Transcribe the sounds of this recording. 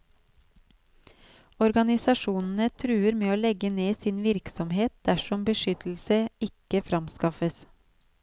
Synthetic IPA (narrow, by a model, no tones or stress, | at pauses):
ɔɾɡɑnɪsɑʃuːnn̩ət̪ʰɾʉːəɾmeːoːlɛɡəneːsɪnʋɪɾksɔmheːt̪̚d̪̥æʃɔmbəʃʏt̪l̩səɪkəfɾɑmskɑfəs